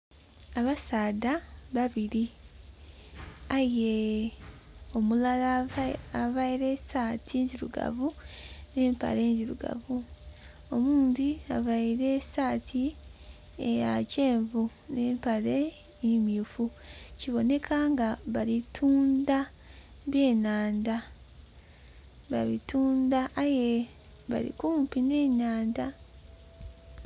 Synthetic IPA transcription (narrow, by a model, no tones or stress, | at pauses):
aβasaːdaβaβiɾi | aje | o̞mulalaavajiɾe̞ːsaːtʰiɲziɾṵɡa̰vune̞ːmpa̰le̞ɲɟiɾuɡa̰vu | o̞muːndiaβaiɾe̞saːtʰi | ejace̞ːɱvu | ne̞ːmpale̞ | mifuciβo̞ne̞kʰaŋɡaβalitʰuːnda | βje̞ːnaːnda | βaβituːndaʔːje̞ | βa̰ɾḭkuːmpine̞ːɲaːnda